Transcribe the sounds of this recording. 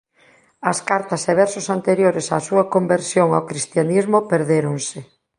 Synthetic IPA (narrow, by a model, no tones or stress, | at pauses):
ɐskaɾt̪ɐseβ̞ɛɾsosant̪eɾjoɾesasuɐkombeɾsjoŋawkɾist̪janizmopeɾðeɾoŋsɪ